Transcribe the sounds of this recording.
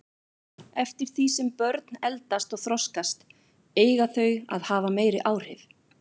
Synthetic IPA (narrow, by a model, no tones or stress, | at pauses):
ɛft̪ɪɾ̥θisɛmpœɾt̪nɛlt̪ast̪ɔɣθɾɔskast̪ | eːjɣaθœɥa̰ðhaːvameːjɾɪʔaːwr̥ɪv